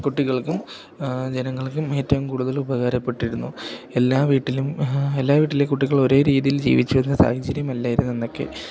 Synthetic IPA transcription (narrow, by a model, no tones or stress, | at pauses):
kuʈːiɣɐɭkum | d͡ʑe̞nɐŋːɐɭkume̞ːtːɐʋɐmkuːɽuðɐlubɐɣaːɾɐpːe̞ʈːiɾunːuelːaːʋiːʈːilume̞lːaːʋiːʈːilekːuʈːiɣɐɭo̞ɾe̞ːɾiːðijild͡ʑḭːʋit͡ɕːuenːɨsa̰ːhɐt͡ɕːɐɾjɐmɐlːaːjiɾunːenːo̞kːe̞̰